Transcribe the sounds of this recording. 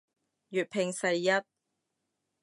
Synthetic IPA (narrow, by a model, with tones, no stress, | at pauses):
jyː˨t̚pʰɪ˨˧ŋsɐ˨˧jjɐ˥t̚